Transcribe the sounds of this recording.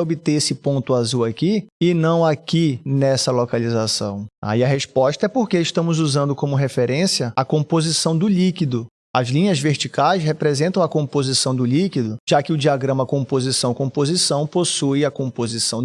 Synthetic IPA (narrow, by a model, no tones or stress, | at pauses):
obɪt̪eesɪpõnt̪ʊazuwakiɪnɐ̃w̃akinɛsɐlokalizasɐ̰̃w̃a̰iɐɦespɔʃt̪ɐɛpoɾkeiʃt̪ɐ̃mʊzuzɐ̃nd̪ʊkõmʊɦefeɾẽsiɐakõpozisɐ̃w̃d̪ʊlikid̪ʊ | ɐzlĩɲɐzveɾt͡ʃikajshepɾezẽnt̪ɐ̃w̃ɐkõpozisɐ̃w̃d̪ʊlikid̪ʊʒ̥akɪʊd͡ʒiaɡɾɐ̃mɐkõpozisɐ̃w̃kõpozisɐ̃w̃posujɐkõpozisɐ̃w̃